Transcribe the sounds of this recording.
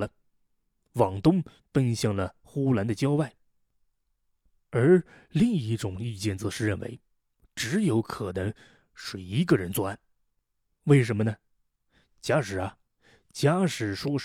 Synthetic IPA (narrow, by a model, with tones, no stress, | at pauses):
lə˦ | wɑ˨˩ŋt̪ʊ˥ŋ | pə˥nɕjɑ˥˩ŋlə˩ | xu˥la˧˥nd̪ə˨t͡ɕjɑ˥ʊwa˥˩ɪ | ə˞˧˥ | li˥˧ŋi˥˩ʈ͡ʂʊ˨˩ŋi˥˧t͡ɕjɛ˥˩nt͡sɤ˧˥ʂɻ̩˥˧ɻə˥˩nwḛ˧˥ɪ | ʈ͡ʂɻ̩˧˥jo˧˥ʊkʰɤ˨˩nɤ˧˥ŋ | ʂɻ̩˥˩i˧˥ɡə˧ɻə˧˥nt͡swa˥˩n | we˥˩ɪʂ̬ə˧˥nmə˧nə˩ | t͡ɕja˥ʂɻ̩˨˩ɐ˩ | t͡ɕja˥ʂɻ̩˨˩ʂwɔ˥ʂ